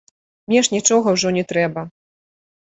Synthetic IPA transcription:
mʲnʲɛʂnʲit͡ʂɔɣɐwʐɔnʲɛt̪ɾɛbɐ

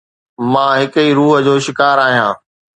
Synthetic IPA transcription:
mãːɦɪkəiɾuːɦə̆d͡ʑoːʃɪkaːɾaːɦijãː

